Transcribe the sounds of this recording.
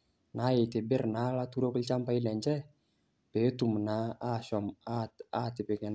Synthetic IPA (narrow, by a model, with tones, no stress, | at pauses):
na˨˦je˨t̪e˨bɪ˦rna˨˦la˦t̪u˦ɾo˦ki˦lt͡ʃa˦mpa˦i˦lɛ˨ɲd͡ʒɛ˦ | pe˨˦t̪u˨mna˨˦a˦sɔ˨maa˦t̪e˨pe˨kɛ˨n